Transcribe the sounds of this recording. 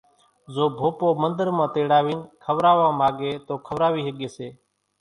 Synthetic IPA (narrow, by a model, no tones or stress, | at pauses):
zoːbʱoːpoːmənd̪əɾmãːt̪eːɽaːʋiːnkʰəʋɾaːʋãːmaːɡeːt̪oːkʰəʋɾaːʋiːɦəɠeːseː